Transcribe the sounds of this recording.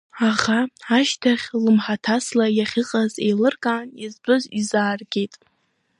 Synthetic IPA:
aʁaaʃtʰaχʲlɨmħatʰaslajaχʲɨqʼaze̞̰jlɨrkʼaːnizbɨzizaːrɡʲejtʼ

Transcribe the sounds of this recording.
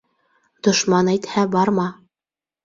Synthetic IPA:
d̪̥ŏʃmɑnæjt̪hæbɑɾmɑ

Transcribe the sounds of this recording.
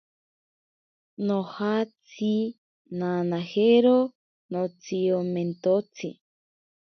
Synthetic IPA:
nõhat͡si | nãnãheɾo | nõt͡siomẽnt̪ot͡sʰḭ

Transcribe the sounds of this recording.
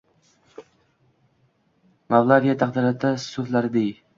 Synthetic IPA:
mavlˠavijat̪ʰaqd̪ɪɾat̪ʰasʊflaɾɪd̪ej

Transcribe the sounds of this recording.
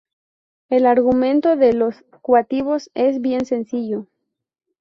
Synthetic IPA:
e̞laɾɣumẽ̞nt̪oðelo̞s | kwat̪iβo̞se̞zβje̞nse̞nsiʝo

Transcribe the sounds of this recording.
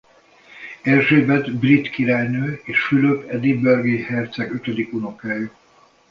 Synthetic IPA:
ɛrʒeːbɛd̪brit̪kiɾaːjnøːeːʃfyløːpɛd̪ibørɡihɛrt̪sɛɡøt̪ød̪ikuno̞kaːjy

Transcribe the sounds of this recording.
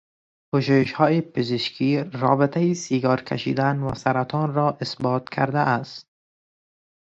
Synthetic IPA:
pʊʃujɪʃhɒːjepɪzɪʃkʰiːɾɒːbɪt̪ʰajisiːɡɒːɾkʰa̰ʃḭd̪anwa̰saɾat̪ʰɒːnɾɔːʔɪsbɒːt̪kʰa̰ɾd̪aʔast̪̚

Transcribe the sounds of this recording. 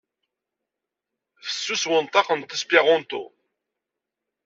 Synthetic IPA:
fə̥sːuswənt̪ˤɑqənt̪ːəspiʁɔnt̪ṵ

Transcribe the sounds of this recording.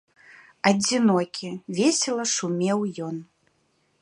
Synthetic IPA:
ɐd͡zʲinɔkʲʰivʲesʲɛlˠɐʂumʲɛwjɔn

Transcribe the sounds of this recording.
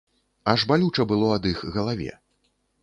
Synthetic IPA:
aʐbalʲut͡ʂɐbɨlˠɔɐd̪ɨxɣɐlˠavʲɛ̰

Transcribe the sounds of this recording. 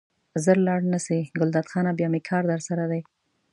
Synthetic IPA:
zəɾlɑɽnasiɡʊld̪ɑt̪xɑnabjɑmekʰɑɾd̪əɾsaɾad̪aj

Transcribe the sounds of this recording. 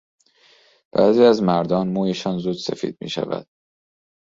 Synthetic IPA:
b̥æ̰ːziːæzmæɾd̪ɒːnmuːjeʃɒːnzuːd̪sefḭːd̪̥̚mḭːʃæ̰væ̰d̪̥̚

